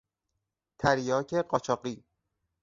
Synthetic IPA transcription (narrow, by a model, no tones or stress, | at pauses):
t̪ʰæɾjɒːcʰeɢɒːt͡ʃʰɒːɢiː